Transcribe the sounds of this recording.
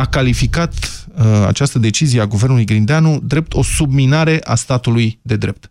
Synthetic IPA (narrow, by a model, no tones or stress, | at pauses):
akalifikat̪a̰t͡ʃast̪əd̪e̞t͡ʃizijeaɡuvernulujɡɾind̪eanud̪ɾe̞p̚t̪ʰo̞sub̚minaɾe̞ʔast̪at̪ulujd̪e̞d̪ɾe̞p̚t̪